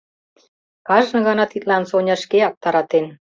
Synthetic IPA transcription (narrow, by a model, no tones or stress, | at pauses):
kɑʒnɤ̆ɣɑnɑt̪it̪lɑnsonʲɑʃkeɑk̚t̪ɑɾɑt̪en